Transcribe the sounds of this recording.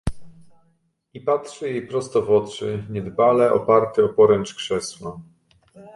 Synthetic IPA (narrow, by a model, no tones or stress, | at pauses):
ipat̪ʂɘjejpɾɔst̪ɔvwɔtt͡ʂɘɲɛd̪balɛʔɔ̰paɾt̪ɘɔpɔɾɛnt͡ʂkʂɛswa